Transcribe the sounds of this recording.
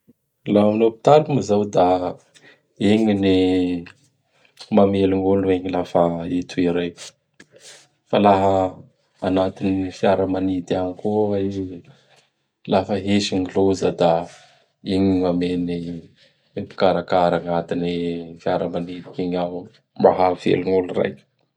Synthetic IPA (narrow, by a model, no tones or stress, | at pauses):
laamilopi̥t̪alumizawd̪a | eŋini | mameluŋonueɲilafaet̪uiɾaj | falaɦəː | nat̪inifiaɾəmanid̪iaŋkua | lafəɦeʃiŋilozəd̪a | iɲimameni | epi̥kaɾakaɾaŋat̪inifiaɾəmanid̪i̥kiɲaw | maɦav̥ḛluŋulura̰j